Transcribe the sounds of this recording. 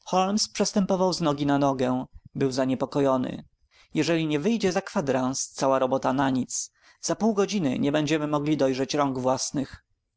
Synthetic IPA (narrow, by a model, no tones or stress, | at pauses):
xɔlmspʂɛst̪ɛmpɔvawznɔɡʲinanɔɡɛbɘwzaɲɛpɔkɔjɔnɘ̰ | jɛʐɛlʲiɲɛvɘjd͡ʑɛzakfad̪ɾãnst̪sawaɾɔbɔt̪anaɲit̪s | z̥apuwɡɔd͡ʑinɘ̰ɲɛbɛɲd͡ʑɛmɘmɔɡlʲid̪ɔjʐɛt͡ɕɾɔŋɡvwasnɘx